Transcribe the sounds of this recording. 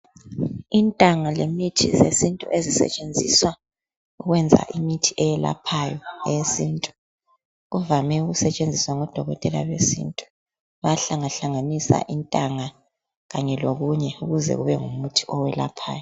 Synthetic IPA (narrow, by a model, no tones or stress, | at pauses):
intʼaŋalemitʰḭzesintʼṵʔezisɛ̰t͡ʃʼend͡zʱḭswa | uɣwɛnd͡zʱa̰ʔimitʰiʔɛjɛla̰pʰajɔɛesintʼu̥ | ɣuvamɛuɣusɛt͡ʃʼend͡zʱiswaŋɔd̥ʱɔɣɔtʼɛlalwesḭntʼu̥ | βaɬaŋaɬaŋanisa̰ʔintʼaŋa | ɣaɲɛloɣuɲɛuɣuzɛ̰ɣuβɛŋumutʰi̥ʔɔwɛla̰pʰa̰ːjɔ